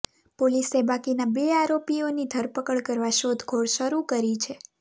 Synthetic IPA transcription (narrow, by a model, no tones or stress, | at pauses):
polisebakinabeaɾopionid̪ʱəɾpəkəɭkəɾʋaʃod̪ʱɡʱoɭʃəɾukəɾit͡ʃʰe